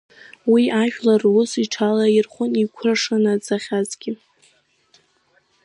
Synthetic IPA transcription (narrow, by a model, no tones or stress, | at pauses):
wiaʒᶣlarwʊsiʈ͡ʂʰalairχʷʊnikʷʰraʂanad͡zaχʲazɡʲɪ